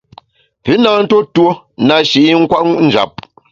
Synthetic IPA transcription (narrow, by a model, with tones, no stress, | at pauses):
pʉ˨˦na˨n̩˦to˦two˦ | na˨ʃi˨ʔi˦ŋ̩˦kwa˦ʔŋu˦ʔn̩˨d͡ʒa̰˨p̚